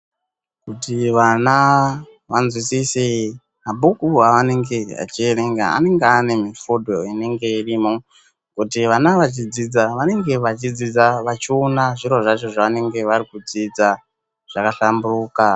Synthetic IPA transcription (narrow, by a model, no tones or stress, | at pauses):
kutiʋana | ʋanzwisise | mabʱukuaʋane̞ŋɡe̞a̰t͡ʃieɾe̞ŋɡa̰a̰ne̞ŋɡeane̞mifodʱoine̞ŋɡe̞irimo | kutiʋanaʋat͡ʃid͡zid͡zaʋane̞ŋɡe̞ʋat͡ʃid͡zid͡zaʋat͡ʃionaʐiɾo̞ʐat͡ʃo̞ʐaʋane̞ŋɡe̞ʋaɾikud͡zid͡za | ʐ̥akaɬamburuːka